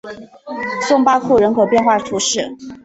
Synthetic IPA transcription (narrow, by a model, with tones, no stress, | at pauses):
sʊ˥˧ŋpa˥kʰu˥˩ɻə˧˥nkʰɤ˨˩pjɛ˥˧nxwa˥˩ʈ͡ʂ̪ʰu˧˥ʂɻ̩˥˩